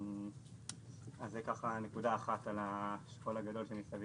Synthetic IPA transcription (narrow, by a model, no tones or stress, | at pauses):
azːekaχane̞kud̪aːχat̪alaʃkolaɡado̞lʃenisavi